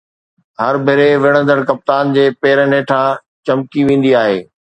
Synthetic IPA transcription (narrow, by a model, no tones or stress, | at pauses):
ɦɐɾbʱɪɾeʋɪɽ̃ə̃nd̪əɽ̃kɐp̚t̪aːnd͡ʑeːpeːɾəneːʈʰã | t͡ɕɐmkiʋẽːn̆d̪iaːɦeː